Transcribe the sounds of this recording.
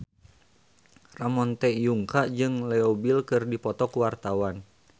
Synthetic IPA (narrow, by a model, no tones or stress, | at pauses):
ramɔnt̪ɛjuŋkaʔd͡ʒɨŋlɛɔbilkɨrdipɔt̪ɔkuwart̪awan